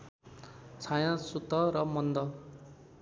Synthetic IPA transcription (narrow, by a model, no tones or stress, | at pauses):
t͡sʰajãsut̪ːʌɾʌmʌnd̪ʌ